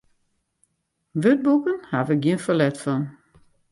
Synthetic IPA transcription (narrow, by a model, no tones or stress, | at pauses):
ʋød̚bukənhaʋəɡjiənfəlɛtfɔn